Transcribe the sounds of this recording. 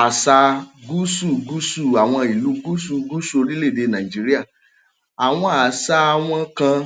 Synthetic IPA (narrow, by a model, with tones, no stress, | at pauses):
a˨sa˧ɡu˦su˦˨ɡu˦su˦˨a˨w̃ɔ̃˧i˨lu˨˦ɡu˦su˦˨ɡu˦su˦o˧ɾi˦le˦˨de˧nã˨i˨d͡ʒi˦ɾi˦a˦˨ | a˨w̃ɔ̃˧a˨sa˧w̃ɔ̃˦kã˧